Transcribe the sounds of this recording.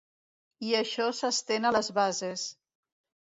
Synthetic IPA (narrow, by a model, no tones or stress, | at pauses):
iəʃɔsəst̪enələzβazes